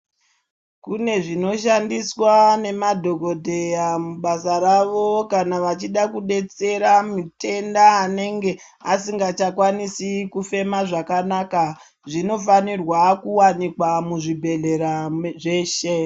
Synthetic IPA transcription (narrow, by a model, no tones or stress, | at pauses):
kune̞ʐino̞ʃandiswane̞madʱo̞ɡo̞dʱe̞jamuɓasaɾaʋo̞kanaʋat͡ʃiɗakuɗe̞t͡se̞ɾamute̞ndaːne̞ŋɡe̞ | asiŋɡat͡ʃakwanisikufe̞maʐakanaka | ʐino̞fanirwakuwanikwamuʐibʱe̞ɮe̞ɾaʐe̞ːʃe